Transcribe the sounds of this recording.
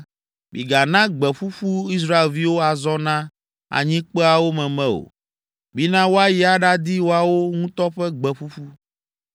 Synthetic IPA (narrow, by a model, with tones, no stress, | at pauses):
bḭ˨ɡa˨nã˦ɡ͡bɛ˨ɸu˦ɸu˦i˦s̬ɾa˦e˨lvi˦wo˦a˨zɔ˦nã˦ | a̰˨ɲĩ˦k͡pɛ˦a˨wo˦mɛ̃˨mɛ̃˦o̰˨ | bi˦nã˦wo˦a˦ji˦a˨ɖa˦d̪i˦wo˦a˨wo˦ŋũ˦t̪ɔ˦ɸɛ˦ɡ͡bɛ˨ɸu˦fu˦